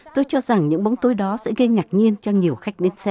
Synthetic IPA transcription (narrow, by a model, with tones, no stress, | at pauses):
t̪o˧jt͡ɕɔ˧za˨˩ŋɲɨ̰˧˥ŋɓo˨˦wŋ͡mt̪o˨˦jɗɔ˨˦sɛ̰˧˥ɣə˧jŋaː˨˩k̚ɲi˧ənt͡ɕɔ˧ɲi˨˩əwxa˦˥jk̟̚ɗe˨˦nsɛ˧